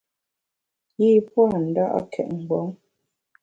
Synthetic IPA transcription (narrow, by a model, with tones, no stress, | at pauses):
ji˦˨pwa˦˨n̩˨da˦ʔa̰˦kʰɛ̰˨ʔ̚ŋ̩˨ɡwɔ˨˦ŋ